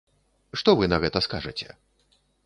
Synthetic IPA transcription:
ʂt̪ɔvɨnɐɣɛt̪ɐskaʐɐt͡sʲɛ̰

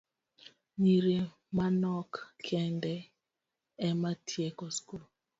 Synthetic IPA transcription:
ɲiɾe | manɔkkʰɛndɛ | ɛmatʰjekɔskul

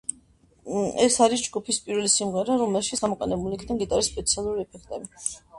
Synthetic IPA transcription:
ɛsaɾis̬d͡ʒɡupʰispʼiɾvɛlisimʁɛɾaɾɔmɛlˠʃit̪sɡ̥amɔqʼɛnɛbulikʰd̪aŋɡit̪ʼaɾɛsːpʼɛt̪sʰialˠuɾiɛpʰɛkʰt̪ʼɛbi

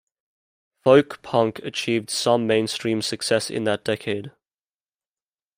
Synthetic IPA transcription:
fəʊkpʰʌ̃ŋkʰət͡ʃʰiːvd̥sʌ̃mːẽɪ̃nstɹ̥ĩːmsəksɛsɪ̰̃nðət̚d̥ɛkʰeɪd̥

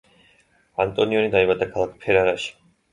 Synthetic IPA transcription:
a̰nt̪ʼɔniɔnid̪aibad̪akʰalˠakʰpʰɛɾaɾaʃi̥

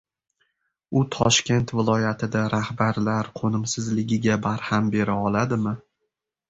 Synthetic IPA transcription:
ʊt̪ʰɒʃkʲe̞nt̪vɪlˠɒjat̪ʰɪd̪aɾahbaɾlaɾqʰonɪmsɪzlɪɡʲɪɡʲabaɾhambe̞ɾaɒlad̪ɪmɪ

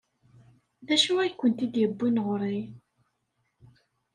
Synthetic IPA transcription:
ðæʃuæjkːənt̪id̪jəbːinʁɾˤi

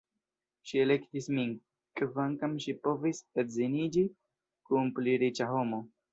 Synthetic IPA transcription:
ʃielekt̪ismin | kvaŋkamʃipo̞visetzinid͡ʒi | kumpliɾit͡ʃaɦomo

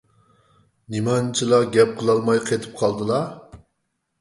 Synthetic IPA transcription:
nimɑnt͡ʃʰilˠɑɡʲɛp̚qʰəlˠɑlˠmɑjqʰet̪ʰɨ̥p̚qʰɑlˠd̪ɨlˠɑ

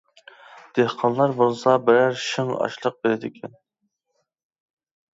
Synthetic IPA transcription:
d̪̥ehqʰɑnlˠɑɾbulsˠɑbɪɾæɾʃɨŋɑ̰ʃlˠəq̚beɾɪd̪ɪkʲʰɛn

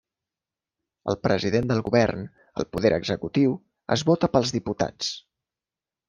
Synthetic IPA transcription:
ə̰lˠpɾəziðend̪əlˠɣuβɛrn | əlˠpuðɛɾʔə̰ɡzəkut̪iw | ə̰zβɔt̪əpəlˠzðiput̪a̰t͡s

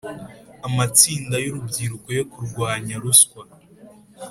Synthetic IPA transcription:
amat͡siːndajoɾubɟiːɾuko̞jo̞kuɾɡwaːɲaɾuskwa

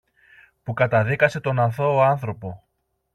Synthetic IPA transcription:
pukɐt̪ɐðikɐse̞t̪o̞nɐθo̞ːɐnθɾo̞po̞

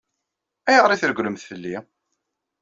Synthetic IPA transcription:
æjəʁɾˤiθəɾɡʷləmθfəlːi

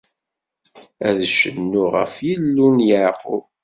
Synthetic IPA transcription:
æðʃənːuʁə̰fjilːunjəʕqʊ̰

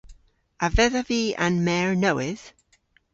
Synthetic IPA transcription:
avɛðəviːã̰nmɛɹnowɪð̥

